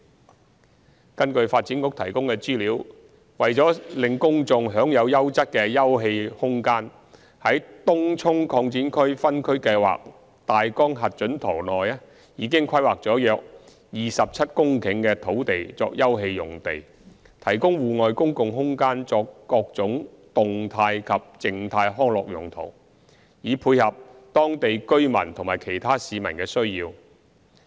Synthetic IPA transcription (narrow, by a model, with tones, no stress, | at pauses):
kɐ˥nkɵ˧ɥfaː˧t̚t͡siː˨˥nkʊ˧˥k̚t̪ʰɐ˨˩jkʊ˥ŋkɛː˧t͡siː˥liː˨˥w | wɐ˨jt͡sɔː˨˥lɪ˨ŋkʊ˥ŋt͡sʊ˧ŋɦœː˨˥ŋjɐ˨˧wjɐ˥wt͡sɐ˥t̚kɛː˧jɐ˥wɦe˧jhʊ˥ŋkaː˥n | hɐ˨˥jt̪ʊ˥ŋt͡sʰʊ˥ŋkʰɔː˧ŋt͡siː˨˥nkʰɵ˥ɥfɐ˥nkʰɵ˥ɥkɐ˧jwa̰ː˨k̚ | t̪aː˨jkɔː˥ŋɦɐ˨t̚t͡ʃɵ˨˥nt̪ʰɔ̰ː˨˩lɔː˨jaː˥ | jiː˨˧kɪ˥ŋkʰɐ˥jwaː˨k̚t͡sɔː˨˥jœː˧k̚ | jiː˨sɐ˨p̚t͡sʰɐ˥t̚kʊ˥ŋkʰɪ˨˥ŋkɛː˧t̪ʰo˨˥wt̪e˨jt͡sɔ̰ː˧k̚jɐ˥wɦe˧jːʊ˨˩ŋt̪e˨j | t̪ʰɐ˨˩jkʊ˥ŋwuː˨ŋɔː˨˧jkʊ˥ŋkʊ˨ŋɦʊ˥ŋkaː˥nt͡sɔː˧kːɔː˧k̚t͡sʊ˨˥ŋ | t̪ʊ˨ŋt̪ʰaː˧jkʰɐ˨p̚t͡sɪ˨ŋt̪ʰaː˧jɦɔː˥ŋlɔ̰ː˨k̚jʊ˨˩ŋt̪ʰo̰˨˩w | jiː˨˥pʰuː˧jhɐ˨p̚t̪ɔː˥ŋt̪e˨jkɵ˥ɥmɐ̰˨˩nt̪ʰʊ˨˩ŋmaː˨˩jkʰe˨˩jt̪ʰaː˥siː˨˧mɐ˨˩nkɛː˧sɵ˥ɥjiː˧w